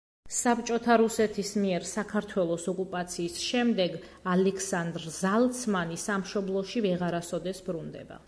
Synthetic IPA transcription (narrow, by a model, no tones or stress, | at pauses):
sapt͡ʃʼɔt̪ʰaɾusɛt̪ʰismiɛɾsakʰaɾt̪ʰwɛlˠɔsɔkʼupʼat̪sʰiːsʃɛmd̪ɛɡalɛkʰsand̪ɾzalˠt̪sʰmanisamʃɔblˠɔʃivɛʁaɾasɔd̪ɛsbɾund̪ɛ̰ba̰